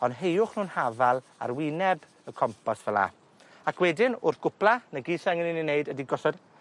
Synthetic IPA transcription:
ɔndɦejʊχnuːnhavalˠ | a̰rwɪnɛb | əkʰɔmpʰɔsv̥əlˠa̰ | akʰwɛdɪnʊrθɡ̥ʊpʰlˠanəɡiːsɛŋɪnininːeɨdədiɡɔsɔd̥

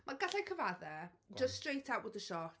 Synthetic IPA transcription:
mʔaɡaɬajkʰəvaðɛ | d͡ʒəststrejtʰawʔwəðəʃɔt

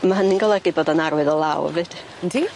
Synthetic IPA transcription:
maɦənɪnɡɔlˠɛɡiboːdənaɾwɨðɔlˠawvɨd̥ | ndʰi

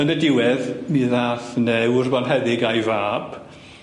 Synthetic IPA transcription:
ənədɪwɛðmiðaːθnɛwʊrbɔnɦɛðɪɡajvaːb

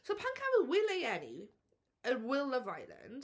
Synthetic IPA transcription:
sopʰãŋkʰavəlˠwɪleɪɛnḭ | əwɪlˠlʌva̰ɪlə̰̃nd̥

